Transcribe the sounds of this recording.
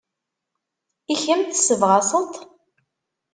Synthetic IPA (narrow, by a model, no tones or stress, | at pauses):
içəmt̪səvʁɑsˤət̪ˤ